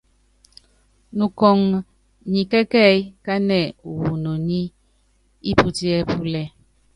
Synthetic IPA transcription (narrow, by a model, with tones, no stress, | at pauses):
nu˨kɔ˨ŋ | ɲi˨kɛ˦kɛ˦˨jka˦nɛ˨u˨wu˨no˨ni˦ | i˦pu˦ti˦ɛ˦pu˦lɛ˦